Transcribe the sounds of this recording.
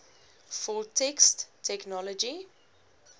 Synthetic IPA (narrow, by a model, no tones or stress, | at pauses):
fɔltʰɛkstːʰɛknɔlɔd͡ʒi